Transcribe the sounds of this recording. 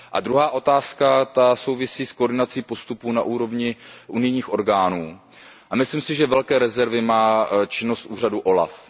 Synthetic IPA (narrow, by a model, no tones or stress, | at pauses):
ʔad̪ɾuɦaːʔo̞t̪aːskat̪aso̞wvɪsiːskoɾdɪnat͡siːpo̞st̪upunaʔuːɾo̞vɲɪʔunɪjɲiːxʔo̞ɾɡaːnuː | ʔamɪslimsɪʒɛvɛlkɛːɾɛzɛɾvɪmaːt͡ʃɪno̞st̪ʔuːr̝aduʔo̞la̰f